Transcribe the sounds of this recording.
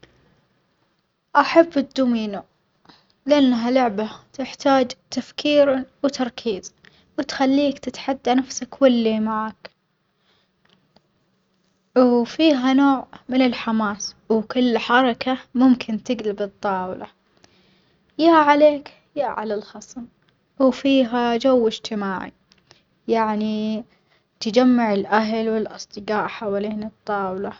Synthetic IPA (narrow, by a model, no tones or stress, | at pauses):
ʔaħabːɪd̪ːumiːnu | lɪʔanːɦalʊʕbat̪ɪħt̪aːd͡ʒt̪afkʰiːɾwt̪ʰɑɾˤkʰiːz̥ | wɪt̪xalːiːkt̪ɪt̪ħad̪ːanafsakwalːimaʕaːk | wwfiːɦanoːʕmɪnɪlħamaːswkʊlːħɑɾˤɑkʰamʊmkʰɪnt̪ɪɡlabɨt̪ˤːɑːwla̰ | jaʕaleːk | jaʔʕa̰lalxɑsˤm | wfiːɦad͡ʒawːɪd͡ʒt̪ɪmaːʕḭ | jaʕni | t̪ad͡ʒamːaʕɪlʔaɦlwɪlʔɑsˤd̪ˤɨqaːʔħawaliːnɨt̪ˤːɑːwla